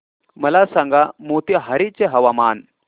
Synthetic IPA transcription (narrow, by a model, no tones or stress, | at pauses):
məlasãŋɡamot̪jəɦəɾit͡seɦəʋamaːn